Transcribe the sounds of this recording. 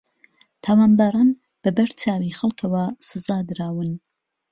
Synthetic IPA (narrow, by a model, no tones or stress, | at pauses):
t̪ʰaːwaːnbaːɾaːn | b̥ɐbɐɾt͡ʃʰaːwixɐlˠkʰɐwɐsɨzaːd̪ɨɾaːwɨn